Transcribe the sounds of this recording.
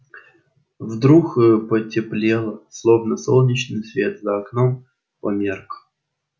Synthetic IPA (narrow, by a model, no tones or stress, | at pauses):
vd̪ɾuxɨpətʲɪplʲelˠəslˠovnəsolˠnʲɪt͡ɕnɨjsvʲet̪zɐaknom | pɐmʲerk